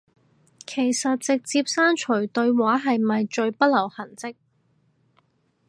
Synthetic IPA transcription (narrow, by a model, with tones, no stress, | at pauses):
kʰe˨˩jsɐ˨t̚t͡sɪ˨k̚t͡siː˧p̚saː˥nt͡ʃʰɵ˨˩t̪ɵ˧ɥwaː˨˥ɦɐ˨jmɐ˨jt͡ʃɵ˧ɥpɐ˥t̚lɐ˨˩whɐ˨˩nt͡sɪ˥k̚